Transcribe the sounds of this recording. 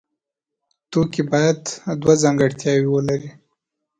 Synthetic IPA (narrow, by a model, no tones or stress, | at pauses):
t̪okibɑjad̪d̪wazaŋɡaɽt̪jɑwiwəlaɾi